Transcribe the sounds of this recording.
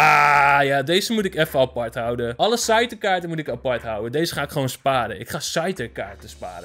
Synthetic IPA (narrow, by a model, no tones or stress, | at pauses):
aːjadeːzəmutɪkɛfərapartɦʌwdəʔɔləsajtəkaːɹtəmutɪkapaɹtɦawədejzəχaːɪkχəʋonspaːɾənʔɪkχaːsajtəkaːɹtəspa̰ːɾə